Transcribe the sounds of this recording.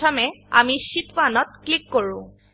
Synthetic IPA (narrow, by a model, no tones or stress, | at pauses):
ɔmɛa̰misitpanɔt̚klikːoɹʊ̃